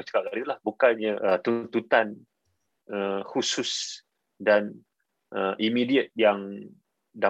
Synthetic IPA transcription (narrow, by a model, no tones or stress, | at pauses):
t͡ʃə̥kaɡaɾit̪lahbukanɲəʔət̪unt̪ut̪an | əhusus | dan | ʔəʔimidiət̪̚jaŋ | da